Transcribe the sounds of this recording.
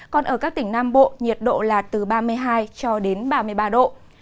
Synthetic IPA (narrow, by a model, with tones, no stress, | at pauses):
kɔ˨˩nʔəː˧˩kaː˦˥k̚t̪ï˧˩ŋ̟naː˧mɓo̰˧˨ɲi˨˩ət̚ɗo̰˧˨laː˨˩t̚t̪ɨ˨˩ɓaː˧mɨ˧əjɦaː˧jt͡ɕɔ˧ɗe˨˦nɓaː˧mɨ˧əjɓaː˧ɗo̰˧˨